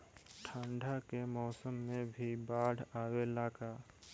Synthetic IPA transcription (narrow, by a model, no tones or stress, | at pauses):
ʈʰãːɳɖʱakemɔːsəmːẽbʱibaːɽ̤ʱaːwelaːkaː